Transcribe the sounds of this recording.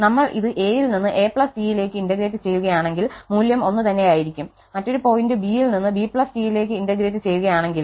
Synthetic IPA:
nɐmːɐɭʔiðɨʔe̞ːjilninːɨʔeːpɭɐsdiːjile̞ːkːɨindɐɡɾeːtːɨt͡ɕe̞jːuɣɐjaːɳe̞ŋɡilmuːljɐmo̞nːɨt̪ɐnːe̞jaːjiɾikʲːum | mɐtːo̞ɾupo̞ːjindɨbiːilninːɨbiːpɭɐsʈiːjile̞ːk̬ːɨindɐɡɾeːtːɨt͡ɕe̞jːuɣɐjaːɳe̞ŋɡil

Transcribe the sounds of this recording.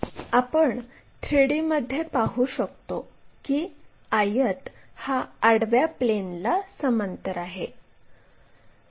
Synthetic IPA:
apəɳ | t̪ʰɾeɽiməd̪ʱːjepaɦuːɕəkt̪okiː | ajət̪haaɽʋjaplenlasəmənt̪əɾaɦe

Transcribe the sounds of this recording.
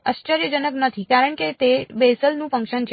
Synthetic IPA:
a̰ʃt͡ʃəɾjəd͡ʒənəknət̪ʰikaɾəɳket̪ebesəlnũfə̃ŋkʃənt͡ʃʰ

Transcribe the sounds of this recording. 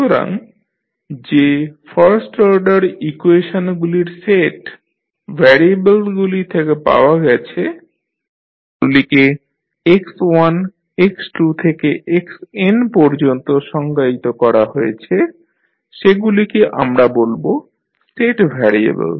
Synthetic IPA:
oɾa̰ŋ | d͡ʑefaɾsʈɔɾɖaɾikueʃonɡuliɾseʈ | bʱɛɾiebelɡulit̪ʰekepa̰oaɡɛt͡ɕʰe | ɡulike | ekswan | eksʈut̪ʰekeʔeksenpɔɾd͡ʑont̪oʃɔŋɡait̪okɔɾaɦoet͡ɕʰe | ʃeɡulikeʔa̰mɾabolbo | sʈeʈbʱɛɾiḛbḛl

